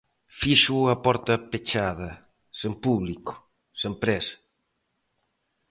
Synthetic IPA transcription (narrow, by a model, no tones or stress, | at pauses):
fiʃuapɔɾt̪ɐpet͡ʃaðɐ | sempuβliku̥ | sempɾɛsḁ